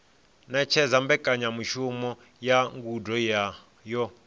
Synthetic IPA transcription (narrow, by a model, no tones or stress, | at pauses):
nɛt͡ʃʰɛzambɛkʼaɲamuʃumɔ | jaŋɡudɔja | jɔ